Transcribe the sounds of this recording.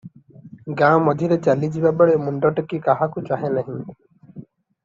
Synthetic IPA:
ɡãwmɔd̪ʱiɾet͡ʃalid͡ʒibabɔɭemuɳɖɔʈɔkikaɦakut͡ʃaɦenaɦĩ

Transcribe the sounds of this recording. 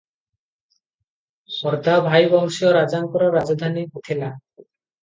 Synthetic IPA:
ɔɾd̪ʱabʱajbɔɦʃijɔɾad͡ʒaŋkɔɾɔɾad͡ʒɔd̪ʱaniɦut̪ʰila

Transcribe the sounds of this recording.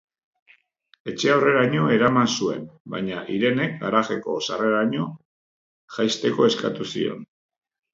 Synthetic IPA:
e̞t͡ʃe̞aore̞ɾaɲo̞e̞ɾamansue̞̰mba̰ɲaʔiɾe̞ne̞k̚a̰ɾaɣe̞ko̞̰sare̞ɾaɲo̞ | ʝajst̪e̞ko̞e̞skat̪usḭo̞̰n

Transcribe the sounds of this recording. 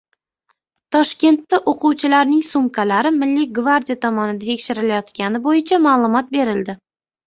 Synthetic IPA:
t̪ʰɒʃkʲe̞nt̪ːaʔoqʰuwt͡ʃʰɪlaɾnɪŋsʊmkʰalaɾɪmɪlːiɡvaɾd̪ijat̪ʰɒmɒnɪd̪at̪ʰekʲʃɪɾɪlajɒt̪kʲanɪbojɪt͡ʃʰamaːlˠʊmɒt̪̚be̞ɾɪld̪ɪ

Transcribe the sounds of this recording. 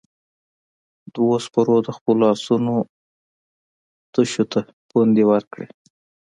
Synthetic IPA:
d̪̥wospəɾod̪əxpəlɑsuno | t̪əʃot̪ʰa | pund̪ewəɾkɽḛ

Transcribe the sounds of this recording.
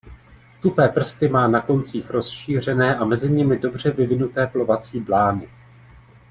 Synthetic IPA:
t̪upɛːpr̩st̪ɪmaːnako̞nt͡siːxɾo̞sʃiːr̝ɛnɛːʔamɛzɪɲɪmɪdo̞br̝ɛvɪvɪnut̪ɛːplo̞vat͡siːblaːnɪ

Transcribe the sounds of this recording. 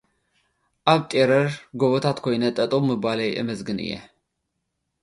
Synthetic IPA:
ʔaβt̪ʼeɾɐɾɡoβot̪ʰat̪kʰojnɐt̪ʼɐt̪ʼumːɨbalɐjʔɨ̰mɐzɡɨnɨ̰jːɛ̰

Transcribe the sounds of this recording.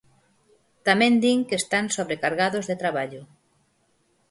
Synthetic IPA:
t̪amẽnd̪iŋkest̪ansoβ̞ɾekaɾɣaðozðet̪ɾaβ̞aʎʊ

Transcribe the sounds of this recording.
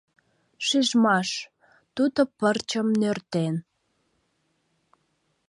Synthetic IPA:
ʃiʒmɑʃ | t̪ud̪opərt͡ɕəmnørt̪en

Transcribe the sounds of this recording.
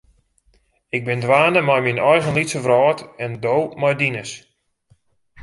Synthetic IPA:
ɪɡ̚bɪndʋaːnəmajminɔjɣənlitsəvrɔːtɛndowmɔjdinəs

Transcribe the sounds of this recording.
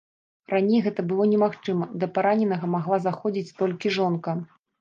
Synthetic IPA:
ranʲejɣɛt̪ɐbɨlˠɔnʲɛmaxt͡ʂɨmɐd̪ɐpaɾanʲɛnɐɣɐmaɣlˠazaxɔd͡zʲit͡sʲt̪ɔlʲkʲiʐɔnkɐ

